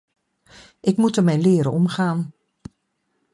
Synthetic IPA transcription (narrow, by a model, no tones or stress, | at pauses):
ɪkmutəmɛjnlɪːɾə̰nɔmχaːn